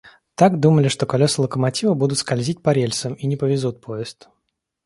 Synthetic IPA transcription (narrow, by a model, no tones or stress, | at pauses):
t̪aɡd̪uməlʲɪʂt̪o̞kɐlʲosəlˠəkəmɐtʲivəbud̪ʊt̪skɐlʲzʲit̚ʲpɐɾʲelʲsəminʲɪpəvʲɪzut̪̚pʰo̞ɪst̪